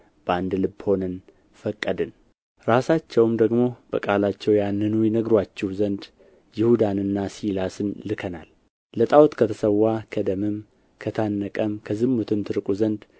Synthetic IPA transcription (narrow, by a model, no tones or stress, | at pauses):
b̥and̪lɨbːho̞nən | fəkʼːəd̪ɨn | ɾasat͡ʃːɛwmd̪əɡmo̞b̥ə̰kʼalat͡ʃːɛwjanːɨnujɛnəɡɾwat͡ʃːɛwzənd̪ | jɪhud̪anɨnːasilasɨnlɨkʰəna̰l | lət̪ʼawt̪kʰət̪ʰəsəwːakʰəd̪əmɨm | kʰət̪ʰanːəkʼəmkʰəzɨmːut̪ʰɨmt̪ʰɨɾɨkʼuzənd̪